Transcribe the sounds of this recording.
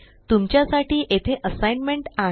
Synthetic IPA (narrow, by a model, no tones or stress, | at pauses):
t̪umt͡ɕjasaʈiːʔet̪ʰeʔəsajnmeɳʈa